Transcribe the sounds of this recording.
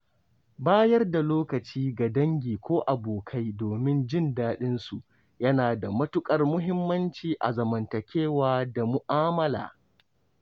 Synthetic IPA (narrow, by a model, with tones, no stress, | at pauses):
baː˦jɐ˦rda˨loː˦kɐ˨t͡ʃiː˦ɡa˨dɐ˦ŋɡʲiː˨kʷoː˦ʔa˨boː˨kʰa˦jdoː˨mɪ˦nd͡ʒɪ˦˨ndaː˦ɗɪ˦nsu˨ | jɐ˦naː˨da˨mɐ˦tʊ˦kʼɐ˨rmʊ˦ɦɪ˦mːɐ˦nt͡ʃiː˨ʔa̰˨zɐ˨mɐ˨ntɐ˨kʲeː˦waː˦da˨mʊ˨ʔaː˦mɐ˦la̰ː˨